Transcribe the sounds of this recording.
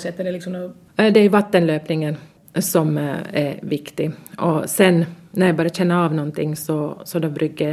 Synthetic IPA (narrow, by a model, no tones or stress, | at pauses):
sɛt̪ːəd̪ɛlɪksɔmno | d̪ɛæɾjʊʋɑt̪ːənløːpnɪŋən | sɔmɛɾʋɪkt̪ɪʔɔsɛnːnɔɾjæɪbɑːɾəc͡çɛnːəɑːʋnɔnt̪ʰɪŋːsɔsɔd̪obɾʉɡːə